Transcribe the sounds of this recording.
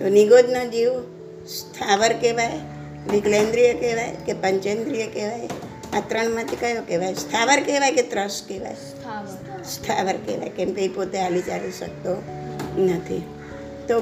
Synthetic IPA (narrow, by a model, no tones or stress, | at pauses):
t̪oniɡod͡ʒnəd͡ʒiũ | st̪ʰaʋəɾkeʋaj | ʋiklend̪ɾijəkeʋajkepəɲt͡ʃẽnd̪ɾijəkeʋaj | at̪ɾəɳmãt̪ʰikəɦjokeʋajst̪ʰaʋəɾkeʋajket̪ɾəskeʋa̰j | st̪ʰaʋəɾkḛʋa̰jkɛ̃mpeipot̪ealid͡ʒaʋiʃə̰k̚t̪o | nət̪ʰḭ | t̪o